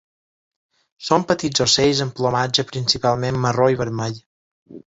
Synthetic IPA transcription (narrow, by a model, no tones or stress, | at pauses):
sompət̪id͡zosejzəmplomad͡ʒəpɾinsipalˠmemːəroiβəɾmaʎ